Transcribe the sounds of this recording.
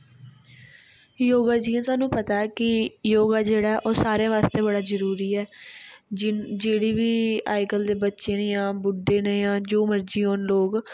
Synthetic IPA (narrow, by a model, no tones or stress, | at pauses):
joːɡaːd͡ʒiːãːsaːnːũːpət̪aːɛːkɪjoːɡaːd͡ʒeːɽaːɛʔoːsaːɾẽːʋaːst̪eːbəɽaːzəɾuːɾiːɛː | d͡ʒeːɽiːʋiːaːɪkəld̪eːbətːʃẽːnjãːbʊɖːẽːnẽːjãːd͡ʒoːməɾd͡ʒiːɦoːnloːɡ